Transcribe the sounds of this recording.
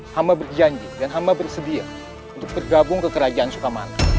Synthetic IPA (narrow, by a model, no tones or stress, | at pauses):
hamabərd͡ʒaɲd͡ʒɪŋdanɦambabərsədia̰ | unt̪ʊk̚bərɡabʊŋkəkəɾad͡ʒaʔansukama̰na